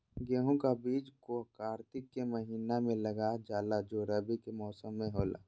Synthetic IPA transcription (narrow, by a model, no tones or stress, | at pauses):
ɡeːɦõkabiːd͡ʒkokaːɾt̪ɪkːeməɦiːnamẽləɡad͡ʒaːlad͡ʒoːɾaːbikemɔːsəmːẽɦoːla̰ː